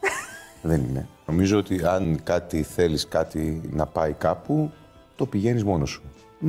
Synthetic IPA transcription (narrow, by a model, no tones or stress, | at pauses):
ðe̞ninḛno̞mizo̞ot̪iɐnkɐt̪iθe̞liskɐt̪inɐpɐikɐpu | t̪o̞piʝe̞nizmo̞no̞su̥